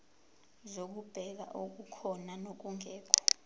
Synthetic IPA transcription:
zok̬ub̥ʱɛk̬a̰ʔok̬ukʰɔnanok̬uŋʱɛːkʰɔ̥

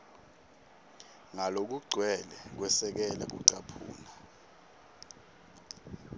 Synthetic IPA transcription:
ŋalok̬uɡ͡ǀʱwɛlɛk̬wɛsɛk̬ɛlak̬ṵǀapʰṵːna

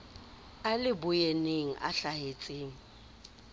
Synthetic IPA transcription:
alɪbʊjeneŋ̩ʔa̰ɬahet͡sʼeːŋ̩

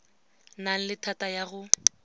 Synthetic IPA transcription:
naŋ̩lɪtʰatajaɣʊ

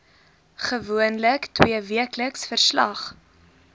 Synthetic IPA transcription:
χəvuənləktwiəviəkləksfərslɐ̰χ

